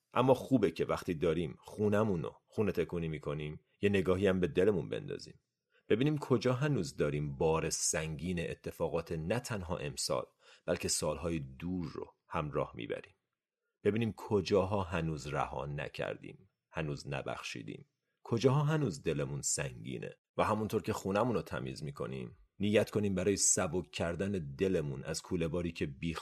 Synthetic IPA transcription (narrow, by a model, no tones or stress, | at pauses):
ʔæmːɒːxuːbecʰe̞væxt̪ʰiːd̪ɒːɾiːmχunæmuno̰xuːnet̪ʰe̞kʰuːniːmiːkʰo̞niːm | je̞ne̞ɡɒːɦiæmbe̞d̪e̞le̞munbe̞̰nd̪ɒ̰ːzḭːm | b̥e̞biːniːmkʰo̞d͡ʒɒːɦænuːzd̪ɒːɾiːmbɒːɾesæŋɟiːneʔet̪ʰːe̞fɒːɣɒːt̪ʰenæt̪ʰænɦɒ̰ːʔe̞msɒ̰ːl | b̥ælcʰe̞sɒːlɦɒːjed̪uːɾːo̰ | hæmɾɒːhmḭːbæ̰ɾiːm | b̥e̞biːniːmkʰod͡ʒɒːɦɒːɦænuːzræ̰hɒ̰ːnæ̰cʰæ̰ɾd̪ḭːm | hænuːznæ̰bæ̰xʃḭːd̪ḭːm | kʰo̞d͡ʒɒːɦɒːɦænuːzd̪e̞lemunsæŋɟḭːnʔḛ | væɦæmunt̪ʰoːɾcʰe̞xuːnæmuːnot̪ʰæ̰mḭːzmiːkʰo̞̰nḭːm | niːjæt̪kʰo̞niːmbæɾɒːjesæbo̞kcʰːæɾd̪æne̞d̪e̞lemunʔæ̰z̥kʰuːle̞vɒːɾiːcʰe̞biːx